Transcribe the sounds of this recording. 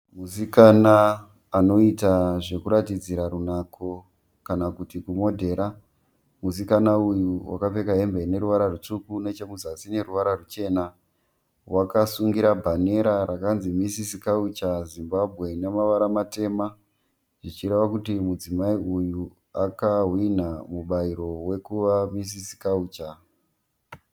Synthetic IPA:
musikanaː | no̞itaʐe̞kuɾatid͡ziɾaɾunakʰo̞ | kanakutikumo̞dʱe̞ɾa | musikanaujuwa̰kape̞kaɦembe̞ne̞ɾuʋaɾarut͡ʂukune̞t͡ʃe̞muzasine̞ɾuʋaɾarut͡ʃe̞na | wakasuŋɡiɾabʱane̞ɾaɾakanzimisisikaut͡ʃazimbabʱɣe̞nemaʋaɾamate̞ːma | ʐit͡ʃiɾe̞ʋakutimud͡zimaiuju | akaɦwin̤amuɓaiɾo̞we̞kuʋamis̬isi̥kauːt͡ʃa

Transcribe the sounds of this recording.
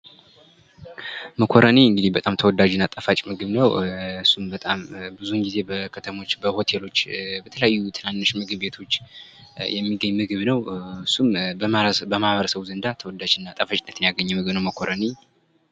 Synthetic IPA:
məkʰoɾəniɨŋɡɨd̪ibət̪ʼamt̪ʰəwɔd̪ad͡ʒɨnːat̪ʼəfat͡ʃʼmɨɡɨβnəwɨsːumbət̪ʼambɨzuŋɡize̞bəkʰət̪ʰəmo̞t͡ʃːbəho̞t̪ʰe̞lo̞t͡ʃːbət̪ʰələjajːut̪ʰɨnanːɨʃmɨɡɨbbe̞t̪ʰo̞t͡ʃː | jɛmːiɡəɲːmɨɡɨβnəwɨsːumbəmabəmahβəɾəsəβzənd̪at̪ʰəwɔd̪ad͡ʒɨnːat̪ʼəfat͡ʃʼnːət̪ɨnjaɡəɲːɛmɨɡɨβnəwməkʰo̞ɾəni

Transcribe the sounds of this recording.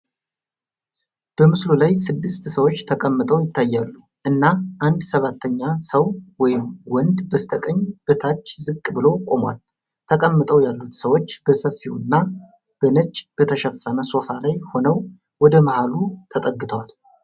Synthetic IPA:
b̥əmɨslulajsɨd̪ːɨst̪səwo̞t͡ʃːt̪ʰəkʼəmːɨt̪ʼəwjɪt̪ʰːajːalːu | ʔɨnːaʔand̪səβat̪ʰːəɲːasəwwɔjɪmwɔnd̪bəst̪ʰəkʼəɲːb̥ɨt̪ʰat͡ʃːzɨkʼːbɨlo̞kʼo̞mwa̰l | t̪ʰəkʼəmːɨt̪ʼəwjalːut̪səwo̞t͡ʃːb̥əsəfːiwɨnːa | b̥ənət͡ʃʼːb̥ət̪ʰəʃəfːənəso̞falajho̞nəw | wɔd̪əmahalut̪ʰət̪ʼəɡːɨt̪ʰəwal

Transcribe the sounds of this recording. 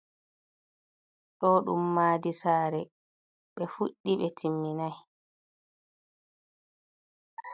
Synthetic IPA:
ɗɔɗṵmːaːdisaːɾɛ | ɓɛfuɗːiɓɛtʰimːinaj

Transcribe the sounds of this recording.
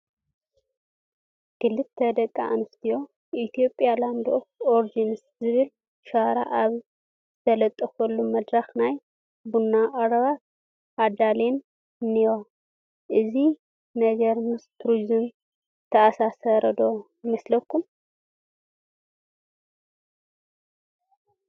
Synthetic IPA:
ɡ̥ɨlːɨt̪t̪ʰɐd̪ɐkʼːaʔanɨst̪ʰijo̞ | ʔit̪ʰijo̞pʼjaland̪ooɾd͡ʒinɨs | zɨβɨl | ʃaɾa̰ʔaβ | t̪ʰɐlɐt̪ʼːɐxɐlːumɐd̪ɾaxnaj | bunːaʔʼɐɾɐβat̪ | ad̪alen | niwa | ʔɨzi | nɐɡɐɾmɨst̪ʰɾuzun | t̪ʰɐasasɐɾɐd̪o̞ | mɐslɐkʰːum

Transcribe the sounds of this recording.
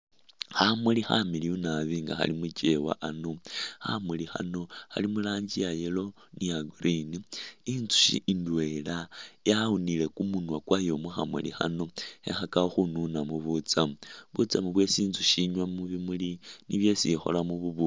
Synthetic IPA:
xamulixamiliunaβiŋɡa̰xa̰limut͡ʃe̞wa̰ʔanoha̰mulixa̰no̞ha̰limulaːɲd͡ʒijajelo̞ | nijaɡuɾiniint͡su̥ʃḭʔindwe̞lajaunile̞kumunwakwajo̞mwuxamwṵlḭxa̰no̞hḛxakaxununamuβut͡samuβut͡samuβwe̞siːnzuʃiɲwamuβimuliniβje̞sixo̞̰lamuβuβu

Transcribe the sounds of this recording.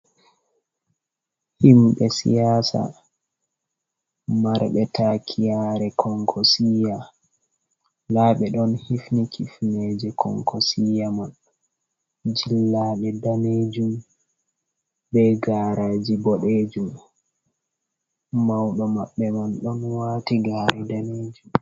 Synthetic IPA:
himɓɛsḭjaːsa̰ | maɾɓɛtʰakʰijaːɾɛkʰɔŋkʰɔsija | laːɓɛɗɔnhifnikʰifned͡ʒɛkʰɔ̰ŋkʰɔsijaman | d͡ʒilːaɗɛdaned͡ʒum | bɛɡaɾaːd͡ʒibɔɗeːd͡ʒum | mawɗɔmaɓːɛmanɗɔnwaːtiɡaːɾɛdaneːd͡ʒum

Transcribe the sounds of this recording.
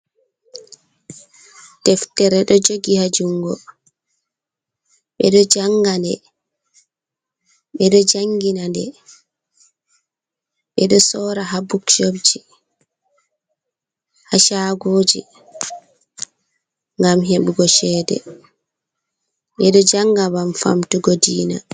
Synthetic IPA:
tɛftɛɾɛɗɔd͡ʒoɡihad͡ʒuŋɡɔ | ɓɛ̰ɗɔd͡ʒaŋɡandɛ | ɓɛɗɔd͡ʒaŋɡinandɛ | ɓɛɗɔsɔːɾaɦabukt͡ʃobd͡ʒi | haʃaːɡoːd͡ʒi | ŋɡamɦeɓuɡɔʃɛːdɛ̰ | ɓɛɗɔd͡ʒaŋɡamamfa̰mtuɡɔdiːna

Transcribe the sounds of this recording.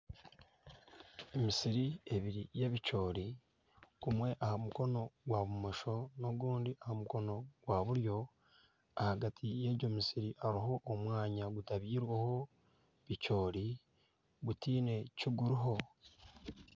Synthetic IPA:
emisiɾie̞βiɾije̞βico̞ːɾi | kumwe̞ʔahamuko̞no̞ɡwaβumoʃo̞no̞ɡuːndiʔahamuko̞no̞ɡ̥waβuɾjo̞ | ahaɡatʰije̞ɟo̞misiɾiʔaɾaɦo̞ʔːmwaːɲaɡutaβiːɾwaho̞ | βico̞ːɾi | ɡutiːne̞ciɡuɾiɦo̞

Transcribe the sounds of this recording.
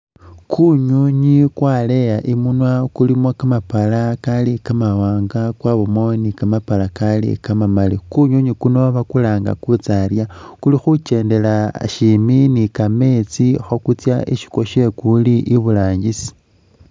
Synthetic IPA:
kʰuɲoɲikwalejaʔimunwakulimokamapalakalikamawaːŋɡakwaβomonikamapalakalḭkamamalikuɲoɲikunoaβakulaːŋɡa̰kut͡saljakulixut͡ʃe̞ːnde̞laʃiminikame̞t͡sixokut͡sjaḭʃi̥koʃe̞kuliʔiβulaːɲɟisi̥

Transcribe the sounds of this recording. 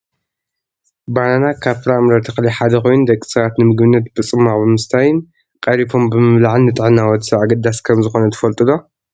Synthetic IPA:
bananakʰaβfɨɾamɾɐt̪ʰɨxliħad̪ɐxo̞jund̪ɐkʼːi̥sɐβat̪nɨmɨɡbɨnːɐt̪bɨt͡sʼɨmːaʕbɨmɨst̪ʰajɪn | kʼɐɾifo̞mbɨmɨβlaʕɨnːɨt̪ʼɨʕɨnːawɔt̪sɐβaɡɐd̪ːaskʰɐmzɨxo̞nɐt̪ʰɐ̥fɐlt̪ʼɨlo̞

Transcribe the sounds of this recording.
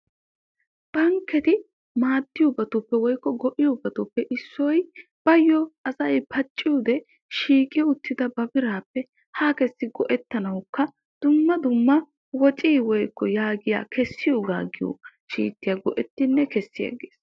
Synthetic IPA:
b̥ɐŋkːɛt̪ɪ | maːd̪ːɪjʊbɐt̪ʊpːɛwɔjkːɔɡɔʔɪjʊbɐt̪ʊpːɛʔɪsːɔj | b̥ɐjːɔɐsɐjpʰɐt͡ʃʼːɪjuːd̪ɛ | ʃiːkʼɪjʊt̪ːɪd̪ɐbɐbɪɾaːpːɛ | haːkɛsːɪɡɔʔɛt̪ːɐnɐwkːɐ | d̪̥ʊmːɐd̪ʊmːɐ | wɔt͡ʃʼiːwɔjkːɔjaːɡɪja̰ːkʰɛsːɪjoːɡa̰ːɡɪjṵːʃḭːt̪ːɪjaɡɔʔɛt̪ːɪnːɛkɛsːɪjɐ̰ɡḛːs

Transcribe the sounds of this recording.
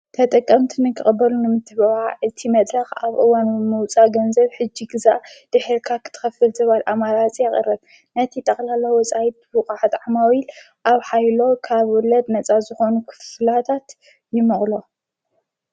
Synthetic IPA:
t̪ʰɐt̪ʼɐkʼːɐmt̪ʰinɨkʰɨxʼbːɐlunɨmɨt̪ʰɨbɐβaʔɨt̪ʰimɐd̪ɾɐxaβʔɨwanɨmɨwt͡sʼaɡɐnzɐβħɨd͡ʒːiɡɨzaʔd̪̥ɨħɨɾkʰakʰɨ̥t̪ʰɨ̥xɐfɨlzɐβalʔamaɾat͡sʼijɛχʼɨ̰ɾɨɾ | nɐt̪ʰit̪ʼɐxʼlalowɔt͡sʼajit̪̚bɨkʼaħat̪ʕamawil | ʔaβħajlo̞kʰaβwɔlɐd̪nɐt͡sʼazɨxo̞nukʰɨ̥flat̪ʰat̪ | jɪmɐχʼlo̞

